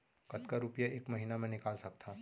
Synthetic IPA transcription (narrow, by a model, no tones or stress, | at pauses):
kɐt̪kaɾupjaʔeːkmɐɦiːnamẽnɪkaːlsɐk̚t̪ʰaː